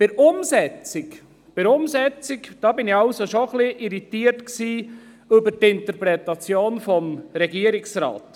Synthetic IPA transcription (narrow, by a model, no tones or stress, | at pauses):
pɪɾʊmsɛt͡sɪk | pɪɾʊmzɛt͡sɪkd̥ɑːbɪnɪɑʊsoʃoχliʔiɾitiːɾtksiː | ʏbəɾtɪntəɾpɾɛtɑt͡sjoːnfɔmɾɛɡiːəɾɪksɾɑ̰ːt